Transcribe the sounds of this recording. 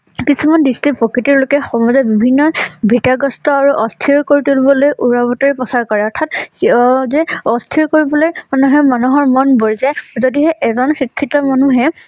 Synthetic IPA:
kisumandistipɹokɹitiɹlokɛxɔmɔzabibʱinːɔbʱitaɡɔstɔaɹuʔɔstʰiɹkoɹitulibɔlojʔuɹabɔtaɹipɔsaɹkɔɹɛɔɹtʰat | zɛɔstʰiɹkoɹibɔlojmanuɦɛmanuɦɔɹmɔnboɹzazodiɦɛʔɛzɔnxikʰːitɔmanuɦɛ

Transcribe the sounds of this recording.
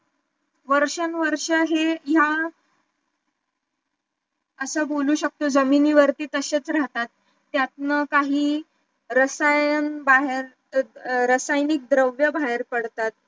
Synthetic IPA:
ʋəɾʂənʋəɾʂəɦeja | əsəboluːɕək̚t̪od͡zəminiːʋəɾt̪iːt̪əɕet͡sɾaɦt̪at̪ː | jat̪̚nəkaɦiː | ɾəsajənbaɦeɾ | ɾəsajnik̚d̪ɾəʋjəbaɦeɾpəɽt̪at̪̚

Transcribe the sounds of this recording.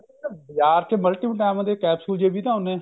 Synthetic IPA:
bjaːɾt̪ʰeːməlʈiːbəʈɛːmãːd̪eːkɛːpsuːld͡ʒeːbʱiːt̪ãːʊnẽː

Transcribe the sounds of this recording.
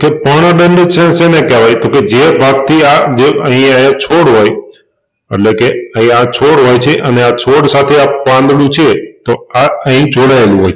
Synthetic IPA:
kepəɽ̃əɖəɳɖet͡ʃʰẽsenekɛʋajt̪oked͡ʒebʱaɡ̚t̪ʰiad͡ʒeəɦĩajãt͡ʃʰoɽɦoj | ḛʈlekeəɦĩat͡ʃʰoɽɦojt͡ʃʰeʔəneat͡ʃʰoɽsat̪ʰeapʋãnd̪lũt͡ʃʰet̪oaəɦĩd͡ʒoɽaelũɦoj

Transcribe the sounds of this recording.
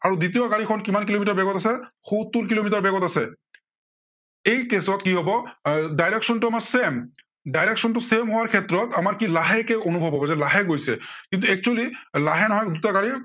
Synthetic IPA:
aɹudit̬ijɔkaɹikʰɔnkimankilomitaɹbɛɡɔtasɛxut̪ːuɹk̬ilomitaɹbɛɡɔtasɛ | ejkesɔtkiɦɔbɔdajɹeksɔntʊamaɹsem | dajɹɛksɔntʊsemɦʊwaɹkʰɛtɹɔtamaɹkilaɦɛkɛonubʱɔbʱɦɔbɔzɛlaɦɛɡojsɛ̰kint̪̬uɛk̚t͡ʃualilaɦɛnɔɦɔjdutakaɹi

